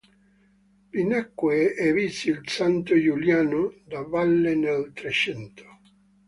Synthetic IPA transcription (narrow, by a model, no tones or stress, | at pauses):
linakːweɛvisiilsant̪ʊjuljaːnʊd̪avalːenelt̪ɾet͡ʃɛnt̪ʰo̥